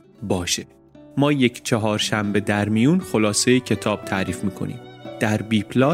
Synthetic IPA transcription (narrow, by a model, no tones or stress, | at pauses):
bɒːʃe | mɒːje̞cʰt͡ʃʰɒɦɒːɾʃæmbe̞d̪æɾmijuːnxo̞lɒːsejecʰe̞t̪ʰɒːb̥̚t̪ʰæːɾiːfmiːkʰo̞̰nḭːmd̪̥æɾbiːpʰlɒː